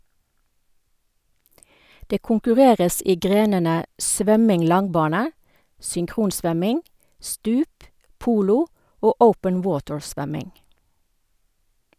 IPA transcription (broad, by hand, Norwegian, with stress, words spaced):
ˈdeː kʊŋkʉˈʁeːʁəs ˈiː ˈɡʁeːnənə ˈsʋœmɪŋ ˈlɑŋˌbɑːnə sʏŋˈkʁuːnˌsʋœmɪŋ ˈstʉːp ˈpuːlʊ ˈoː ˈəʊpən ˈwoːtɹˌsʋœmɪŋ